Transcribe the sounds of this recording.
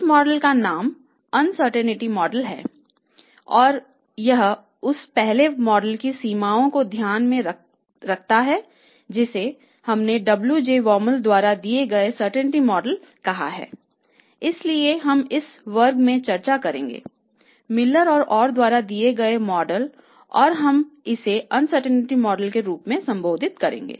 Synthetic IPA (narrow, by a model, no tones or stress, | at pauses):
mɔːɖəlkanaːm | ɐnsəɾʈɛnɪʈimɔːɖəlɦɛ̰ː | ɔːɾ | jɐɦ | ʊspɛɦlemɔːɖəlkisiːmaːõkod̪ʱjaːnmẽ | ɾɐkʰt̪aɦɛ | d͡ʒɪse | hɐmneɖɐbljud͡ʒeːʋɔːməld̪waːɾad̪ieɡɐesəɾʈɛnɪʈimɔːɖəl | kɐɦa̰ɦɛ̰ː | ɪslieɦɐmɪs | ʋəɾɡmẽt͡ʃɐɾt͡ʃakɐɾḛ̃ːŋɡḛː | mɪlːəɾɔːɾɔːɾd̪waːɾad̪ieɡɐemɔːɖəl | ɔ̰ːɾɦɐmɪseɐnsəɾʈənɪʈimɔːɖəlkeɾuːpmẽsɐ̃mboːd̪ʱɪt̪kɐɾḛ̃ːŋɡḛː